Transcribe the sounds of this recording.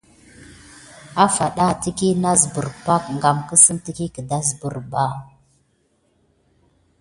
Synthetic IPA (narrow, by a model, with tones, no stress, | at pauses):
a˦fa˨ɗa˦˨ti˦ki˦na˦zə˨bə˨ɾba˦kŋɡa˨mkə˦sə˦nti˦ki˦kə˨da˦zbə˨ɾba˦˨